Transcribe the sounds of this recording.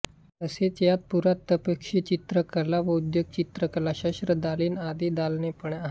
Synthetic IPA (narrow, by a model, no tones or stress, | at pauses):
əset͡sjat̪̚puɾat̪ːəpəkʂit͡ɕit̪ɾəkəlaʋəud̪joɡ̚t͡ɕit̪ɾəkəlaɕəʂɾəd̪aliːnad̪iːd̪alnepəɳaɦ